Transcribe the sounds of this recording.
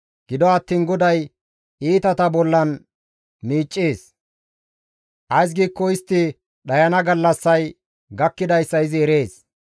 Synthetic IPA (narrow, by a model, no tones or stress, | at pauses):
ɡ̥ɪd̪ɔɐt̪ːiːnɡɔd̪ɐj | iːt̪ɐt̪ɐbɔlːɐn | miːt͡ʃʼːeːs | ʔɐjs̬ɡiːkːɔɪst̪ːɪ | ɗɐjɐnɐɡɐlːɐsːɐj | ɡɐkːɪd̪ɐjsːɐɪzɪɛɾe̞ːs